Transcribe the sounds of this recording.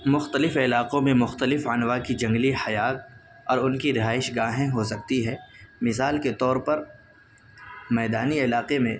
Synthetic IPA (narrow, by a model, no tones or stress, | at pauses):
mʊxt̪əlɪfɪlaːqõmẽmʊxt̪əlɪfənwakid͡ʒɐ̃ŋɡlihɐjaːk̚ | ɔːɾʊnkiɾɪɦaːɪʃɡaːɦẽɦosɐkt̪iɦɛːmɪsaːlket̪ɔːɾpɐɾ | mɛːd̪aːniɪlaːqemẽ